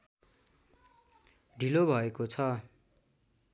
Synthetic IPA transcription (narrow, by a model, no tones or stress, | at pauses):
ɖʱilobʱʌekot͡sʰʌ